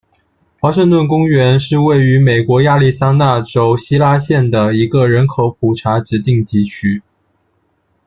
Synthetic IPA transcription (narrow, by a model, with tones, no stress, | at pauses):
xwa˧˥ʂɤ˥˧ŋt̪wə˥˩nkʊ˥ŋɥɛ˧˥nʂɻ̩˥˧we˥˩ɪy˧˥me˨˩ɪkwɔ˧˥ja˥˧li˥˩sa˥na˥˩ʈ͡ʂo˥ʊɕi˥la˥ɕjɛ˥˩nd̪ə˩i˧˥ɡə˧ɻə˧˥nkʰo˧˥ʊpʰu˨˩ʈ͡ʂʰa˧˥ʈ͡ʂɻ̩˧˥t̪i˥˩ŋt͡ɕi˥˩t͡ɕʰy˥